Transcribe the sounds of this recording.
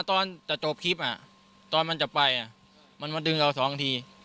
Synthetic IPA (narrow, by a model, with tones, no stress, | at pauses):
a˧t̪ɔː˧nt͡ɕa˨˩ʔt͡ɕoː˨˩p̚kʰi˦˥˩p̚ʔa˨˩ | t̪ɔː˧nma˧nt͡ɕa˨˩pa˧jʔa˨˩ | ma˧˥nmaː˧˥dɯ˧ŋʔa˧˩sɔː˩˦ŋ˧t̪ʰiː˧